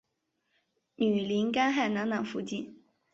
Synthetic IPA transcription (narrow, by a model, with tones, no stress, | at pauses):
ny˨˩li˧˥nka˥nxa˥˩ɪna˧˥ŋnɑ˨˩ŋfu˧˥t͡ɕi˥˩n